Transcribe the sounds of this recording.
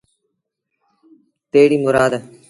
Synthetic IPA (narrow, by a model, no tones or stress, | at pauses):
peːɽiːmʊɾaːd̪